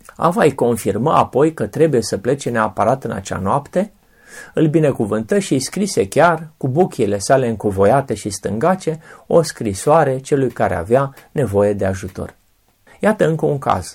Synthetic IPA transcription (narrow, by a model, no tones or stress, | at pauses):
a̰vajko̞nfirməapo̞jkət̪ɾe̞buje̞səple̞t͡ʃe̞neapaɾat̪ɨna̰t͡ʃa̰noapt̪e̞ | ɨlbine̞kuvɨnt̪əʃiskɾise̞kʲarkubukʲile̞sale̞ɨŋkovo̞jat̪e̞ʃist̪ɨ̰ŋɡat͡ʃe̞o̞skɾisoaɾe̞t͡ʃe̞lujkaɾe̞a̰vjane̞vo̞je̞d̪eaʒut̪o̞̰r | jat̪əɨŋkəuŋka̰z̥